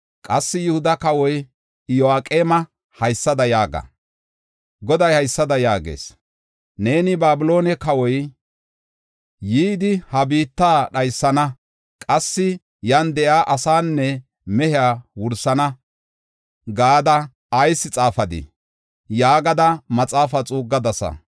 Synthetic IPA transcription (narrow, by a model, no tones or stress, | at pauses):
kʼɐsːɪjʊhʊd̪ɐkɐwɔj | joaːkʼeːmɐ | hɐjsːɐd̪ɐjaːɡɐ̰ | ɡɔd̪ɐjhɐjsːɐd̪ɐjaːɡḛːs | ne̞ːnɪbaːbɪlo̞ːnɛkɐwɔj | jiːd̪ɪhɐbiːt̪ːaːɗɐjsːɐnɐ | kʼɐsːɪ | jɐnd̪ɛʔjaːʔɐsaːnːɛ | mɛhɪaːwʊɾsɐnɐ | ɡaːd̪ɐ | ɐjsːɪt͡sʼaːfɐd̪ɪ̰ | jaːɡɐd̪ɐmɐt͡sʼaːfɐt͡sʼuːɡːɐd̪ɐsɐ̰